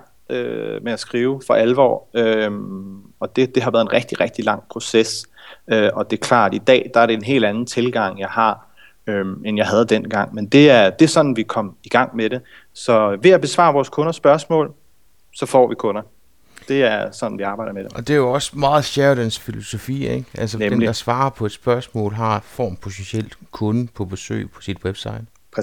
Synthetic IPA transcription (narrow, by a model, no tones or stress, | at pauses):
ø̰meæsɡ̥ʁiːʊfɒ̽ʔælʋɒ̰ːømɒ̽d̥e̝d̥e̝ɦɑ̈ʋæɐðˠenʁɛɡ̥̚d̥iʁɛɡ̥̚d̥ilɑ̈ŋ̰pʰʁo̝ses | øɒ̽d̥e̝ɐkʰlɑ̰̈ːd̥id̥ɛ̰ːd̥ɑæɐɾeenɦe̝̰ːld̥ænn̩t͡sʰe̝lɡ̥ɑ̈ŋ̰jɑ̈ɪhɑ̈ | ømenjɑ̈ɪɦɛð̞̩ˠd̥en̰ɡ̥ɑ̈ŋ̰mend̥e̝æɐd̥e̝æɐsɒ̽nn̩ʋikʰɒ̽m̰iɡ̥ɑ̈ŋ̰meɾe̝ | sɒ̽ʋe̝æb̥e̝sʋɑ̰̈ːʋɒːskʰɔ̽nɐsːb̥ɶɐsmɔ̰ːl | sɒ̽fɒ̰ːʋikʰɔ̽nɐ | d̥e̝æɐsɒ̽nn̩ʋiɑ̈ːb̥ɑ̈ɪ̥ɐmed̥eɒ̽d̥e̝æjoɒ̽smɑ̈ːð̩ˠɕæɐd̥ænsfilo̝so̝fḭːeɡ̥ʔælsə̥emd̥ɑ̈sʋɑ̈ːɐpʰɒ̽e̝d̥sb̥ɶɐsmɔ̰̽ːlɦɑ̈fɒ̰ːmpʰo̝sʰensel̰̥kʰɔ̽nəpʰɒ̽b̥e̝sø̰ːɪpʰɒ̽sid̥web̥sɑ̈ɪd̥ʰ